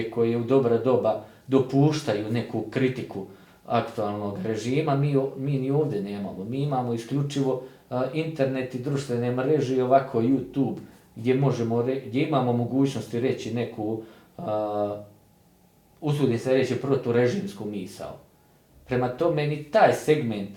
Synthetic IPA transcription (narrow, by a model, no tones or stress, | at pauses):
ko̞jejeud̪o̞bɾad̪o̞ba | d̪o̞puːʃt̪ajuːne̞kukɾit̪iku | akt̪ualˠno̞ɡɾe̞ʒiːmamiːomiːnio̞ːʋd̪je̞ne̞ːmamomiːimaːmo̞iskʎut͡ʃiʋo̞ | int̪e̞ɾne̞t̪id̪ɾuʃt̪ʋe̞ne̞mɾe̞ʒeio̞ʋakʰo̞ːjjut̪uːbɡd̪ʲje̞mo̞ʒemo̞ɾeɡd̪je̞imaːmomoɡuːt͡ɕnost̪iɾe̞t͡ɕine̞kʰuː | usuːd̪iseaɾet͡ɕipɾot̪uːɾe̞ʒiːmskumiːsa̰ṵ | pɾe̞mat̪o̞me̞nit̪aːjse̞ɡme̞nt̪